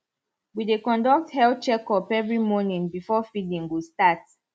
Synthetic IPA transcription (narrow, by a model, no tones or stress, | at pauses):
widekɔ̃ndɔk̚thɛlt͡ʃɛkɔpɛvɹimɔnĩŋbifɔfidĩŋwustat